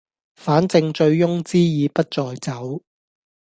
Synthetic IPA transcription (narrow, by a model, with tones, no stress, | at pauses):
faː˨˥nt͡sɪ˧ŋt͡ʃɵ˧ɥjʊ˥ŋt͡siː˥jiː˨˧pɐ˥t̚t͡sɔː˧jt͡sɐ˨˥w